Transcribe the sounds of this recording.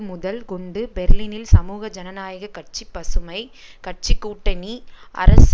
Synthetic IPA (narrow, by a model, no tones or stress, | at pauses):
mʊðɐlkɔɳɖɯbɛɾliːnɪlsɐmuːɣɐd͡ʒɐnɐnaːjɐɣɐkɐʈ̚t͡ʃipːɐsɯmɐɪkɐʈ̚t͡ʃikːuːʈːɐniʔɐ̰ɾɐs